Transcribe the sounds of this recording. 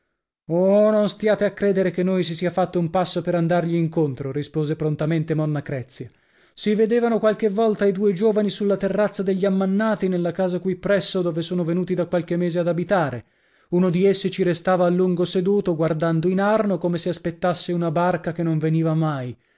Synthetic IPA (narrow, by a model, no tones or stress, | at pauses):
ononst̪jaːt̪eakːɾeːd̪eɾekenːojsisiːafat̪ːoumpasːopeɾand̪arʎiːŋkont̪ɾoɾispoːzepɾont̪ament̪emɔnːakɾɛt̪sːja | sived̪eːvanokwalk̟evːɔlt̪aid̪uːed͡ʒoːvanisulːat̪erːat̪sːad̪eʎːiamːanːaːt̪inelːakaːzakwipːɾɛsːod̪oːvesoːnovenuːt̪̬id̪akːwalk̟emːeːzead̪abit̪aːɾe | unod̪iesːit͡ʃiɾest̪aːvaːlːuŋɡosed̪uːt̪oɡward̪and̪oinarnokomeseaspet̪ːasːeunabarkakenːoɱveniːvamaj